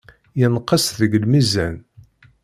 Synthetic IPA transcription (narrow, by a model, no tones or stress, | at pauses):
jənqːəsðəɡəlmizæn